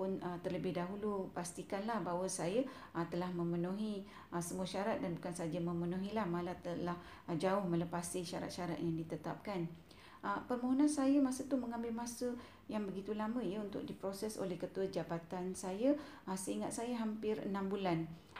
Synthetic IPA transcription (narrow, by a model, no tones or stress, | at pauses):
pʊnət̪ərləbɪhdaɦulupast̪ikanlahbawəsaja | t̪əlahmə̃mənũɦi | səmuəʃaɾat̪̚danbukansad͡ʒamə̃mənũɦilahmalat̪əlah | d͡ʒaʊhmə̃ləpasiʃaɾa̰t̪̚ʃaɾa̰t̪̚jaŋdit̪ət̪a̰p̚kan | ʔəpərmõɦonãnsajamasət̪uməŋãmbɪlmasə | jaŋbəɡit̪ulamə̃ijəunt̪ʊ̰k̚dipɾosɛso̰lɛhkət̪uəd͡ʒabat̪ansajaasəiŋat̪̚sajaɦampɪrə̰nãmbulan